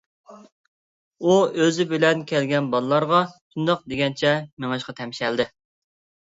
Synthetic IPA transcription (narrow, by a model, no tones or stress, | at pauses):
uøzɪbɪlɛnkʲʰɛlɡʲɛnbɑlˠlˠɑɾʁɑʃund̪ɑq̚d̪eɡʲɛnt͡ʃʰɛmeŋɑʃqɑt̪ʰɛmʃɛld̪ɪ